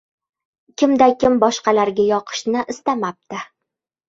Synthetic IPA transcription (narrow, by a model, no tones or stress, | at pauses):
kʲɪmd̪akʲɪmbɒʃqɑlaɾɡʲajɒqʰɨ̥ʃnɪʔɪst̪amap̚t̪ɪ